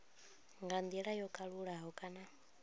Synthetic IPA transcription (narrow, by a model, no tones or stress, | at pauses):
ŋɡand̪iɺajɔkʼaɺuɺaɦɔkʼana